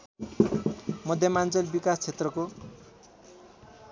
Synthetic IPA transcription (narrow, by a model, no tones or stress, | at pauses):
mʌd̪ʱjʌmant͡sʌlbikast͡sʰet̪rʌko